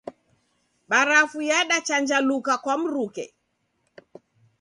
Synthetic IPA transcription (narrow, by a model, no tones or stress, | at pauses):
ɓaɾafujaɗat͡ʃand͡ʒalukakwam̩ɾukɛ̰